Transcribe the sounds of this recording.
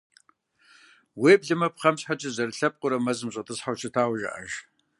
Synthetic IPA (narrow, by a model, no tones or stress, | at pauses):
weːbɮɨmɐpχɐmɕħat͡ʃʼɐzɐrɬɐp̚qʷʼʊɾɐmɐzɨmɕʼɐtʰʼɨsħawt͡ʃʰɐtʰaːwʒɐ̰ʔɐ̰ʒ